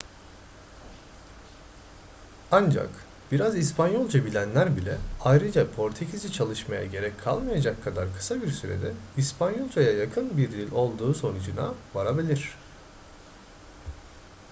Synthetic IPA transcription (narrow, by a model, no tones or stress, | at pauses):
and͡ʒa̰k | biɾazispʰanjo̞lˠd͡ʒabilʲænlʲæɾbilʲɛajɾɯd͡ʒapʰo̞ɾt̪ʰecʰizit͡ʃʰalˠɯʃmaja̰ɟe̞ɾɛckʰːa̰lˠmajad͡ʒakʰːad̪aɾkʰɯ̥sabiɾsyɾḛd̪ɛispʰanjo̞lˠd͡ʒajajakʰɯnbiɾd̪ʲilʲo̞lˠd̪uːso̞nud͡ʒɯna̰vaɾabilʲiɾ̥